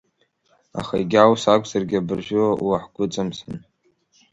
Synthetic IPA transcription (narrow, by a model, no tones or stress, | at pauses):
a̰χaiɡʲawsakʷʰʼzarɡʲɪabɨrʒʷᶣʊaaħɡʷʊt͡sʼɨmsɨn